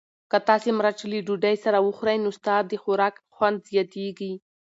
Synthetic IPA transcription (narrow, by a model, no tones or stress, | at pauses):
kat̪ɑsemɾat͡ʃiliɖuɖajsaɾawəxɾajnost̪ɑd̪̚d̪əxʊɾɑkxwand̪zjɑt̪eɡi